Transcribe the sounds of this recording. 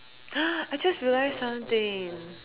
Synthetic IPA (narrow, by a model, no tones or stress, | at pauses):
ʌaɪd͡ʒʌst̚ɹilaɪz̥sʌ̃mθɪ̃ŋ